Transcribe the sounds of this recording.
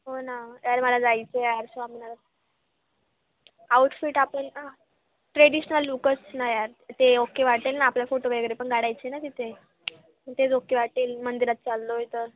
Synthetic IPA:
ɦonaɦojaɾməlad͡zajt͡sejaɾsamna | awuʈfiʈapəɳ | ʈɾeɽiɕnəlːukəsnajaɾt̪eokeʋaʈelnaːpljafoʈobeeɡəɾepəɳɡaɽajt͡ɕenat̪it̪ʰe | əɳt̪ed͡zokeʋaʈelmənd̪iɾat̪̚t͡salːoɦet̪əɾ

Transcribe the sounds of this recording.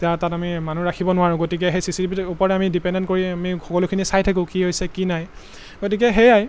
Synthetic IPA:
tatatamimanuɹakʰibɔnʊaɹʊ̃ɡotik̬ɛɦejsisitipitupɔɹɛamidipɛndɛntkoɹiamixɔkɔlʊkʰinisajtʰak̬ʊ̃kiɦojsɛkinaj | ɡot̬ik̬ɛɦɛjaj

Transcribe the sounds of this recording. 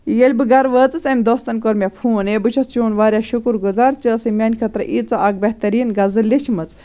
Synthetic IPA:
jelʲbɨɡɐɾʋəːt͡sɨsɐmʲd̪oːst̪ɐnkoɾmʲepʰuːnebɨt͡ʃʰɐst͡ʃoːnʋaːɾʲjaʃukuɾɡuzaːɾt͡ʃəːsimʲɐːnʲkʰɐt̪ɾɐʔiːt͡sɐʔak̚bɐht̪ɐɾiːnɡɐzɨlːit͡ʃʰimɐt͡s

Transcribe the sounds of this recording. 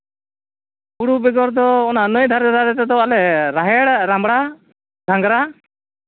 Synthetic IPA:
buɽubɛɡɔɾd̪ɔːnanəjd̪ʱaɾɛd̪ʱaɾɛt̪ɛd̪ɔalɛɾaɦɛɽɾambɽa | d̪ʱaŋɡɾa

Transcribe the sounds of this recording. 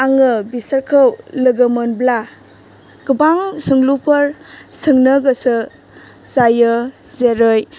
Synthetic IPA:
aŋɯbisəɾkʰɯwlɯɡəmɯnbla | ɡ̥ɯbaŋsɯŋlupʰɐɾsɯŋnɯɡəsɯ | zajɯ | zeɾɯj

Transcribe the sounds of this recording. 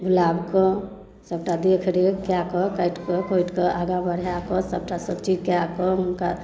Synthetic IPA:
bulabkɔ | səb̚ʈad̪ekʰɾekjakɔkəjʈkɔkʰojʈkɔʔaɡãbəɽjakɔsəb̚ʈasəbt͡ʃid͡ʒkjakɔmunka

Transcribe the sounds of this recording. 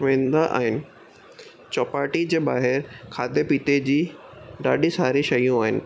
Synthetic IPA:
ʋẽːnd̪aʔa̰ːɦɪnɪ̆ | t͡ɕɔːpaːɾʈid͡ʑeːɓaːɦɪɾkʰaːd̪ʱepiːt̪ed͡ʑiːɖaːɗĩsaːɾĩʃɐjũaːɦɪnɪ̆

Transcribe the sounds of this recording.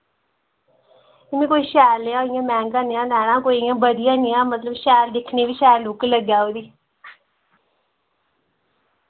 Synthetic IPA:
ɪmẽːkoːiːʃɛːlːeãːɪjãːmɛ̃ːŋɡaːnɪjãːnɛːɽ̃ãːkoːiːãːbəd̪ɪjãːnɪjãːmət̪ləbʃɛːld̪ɪkʰneːʋiːʃɛːɾlʊkləɡjaːoːd̪iː

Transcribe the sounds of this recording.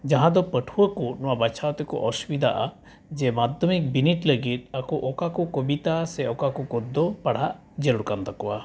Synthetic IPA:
d͡ʒaɦãd̪ɔpəʈʰuwəkunɔwabat͡ʃʰawt̪ɛkɔ̰ʔɔsubid̪ʱa̰ʔa̰ | d͡ʒɛmad̪ʱjɔmik̚biniʈləɡit̪̚akuʔɔkakɔkɔbit̪asɛɔkakukɔd̪ːɔpaɽ̤aʔ | d͡ʒelɽukant̪akɔwa̰

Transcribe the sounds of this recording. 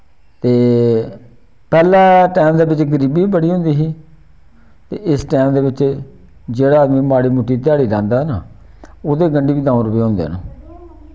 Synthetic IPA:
t̪eː | pɛːlãːʈɛːmd̪eːbɪt͡ʃɡəɾiːbiːiːbəɽiːɦʊ̃nd̪iːɦiː | t̪ḛːʔɪsʈɛːmd̪eːʋɪt͡ʃ | d͡ʒeːɽaːd̪mĩːmaːɽiːmʊʈːiːt̪̬ɪjaːɽiːlɛ̃ːnd̪aːɦnaː | oːd̪eːɡəɳɖiːiːd̪ãːõɾəpeːɦõːnd̪ḛːnõ̰ː

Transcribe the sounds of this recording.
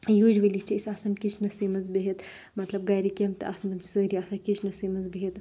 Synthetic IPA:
jud͡ʒʋilist͡ʃʰiisasɐnkit͡ʃʰnɐsimɐzbeɦit̪ | mɐt̪lɐb̚ɡɐːɾikʲɐmt̪ɨʔa̰sɐnt̪ɐmt͡ʃʰi̥səɾiaːsɐnkit͡ʃʰnɐsiːmɐzbeɦit̪

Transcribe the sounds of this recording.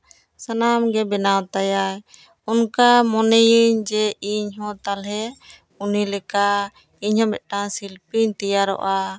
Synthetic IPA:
sanamɡɛbɛnawt̪ajaj | unkamɔnɛjiɲd͡ʒɛiɲɦɔ̃t̪alɦɛ | unilɛka | iɲhɔ̃mɛt̪̚ˀʈasilpiɲt̪ijaɾɔ̰ʔa

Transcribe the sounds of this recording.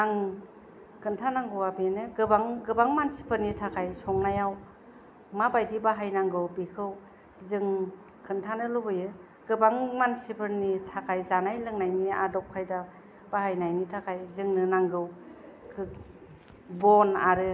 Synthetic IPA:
naŋ | kʰɯntʰanaŋɡɯwabenɯɡɯbaŋɡɯbaŋmansi̥pʰɯɾnitʰakʰajsɔŋnajaw | mabajdibaɦajnaŋɡɯwbikʰɯw | zɯŋ | kʰɯntʰanɯlobɯjɯ | ɡɯbaŋmansipʰɯɾnitʰakʰajzanajlɯŋnajnia̰dɔp̚kʰajda | b̥ahajnajnitʰakʰajzɯŋnɯnaŋɡɯw | kʰɯ | bɔnaɾɯ

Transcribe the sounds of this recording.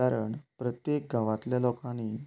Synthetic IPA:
aɾəɳpɾət̪jek̚ɡaʋãt̪ljalokãni

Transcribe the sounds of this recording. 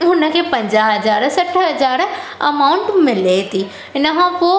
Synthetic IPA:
ɦʊnə̆kʰeːpɐ̃ɲd͡ʑaːɦɐd͡ʑaːɾsɐʈʰəɦɐd͡ʑaːɾɐmaːʊ̃ɳʈmɪlet̪ʰiː | ɪnəkʰãpoː

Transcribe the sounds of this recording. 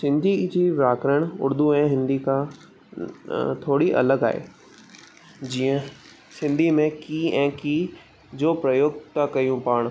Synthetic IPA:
sɪ̃nd̪ʱid͡ʑiʋaːkɾəɽ̃ʊ̰ɾd̪ʱuɛ̃ːɦɪ̃nd̪ikã | t̪ʰoːɽiʔɐ̰ləɡa̰ːḛː | d͡ʑiːə̃ | sɪ̃nd̪ʱimẽkiːɛ̃ːkiː | d͡ʑoːpɾɐjoːɡt̪akɐjũpaːɽ̃

